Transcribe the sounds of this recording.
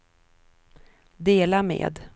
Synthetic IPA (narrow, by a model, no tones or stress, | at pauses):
d̪eːlamḛːd̪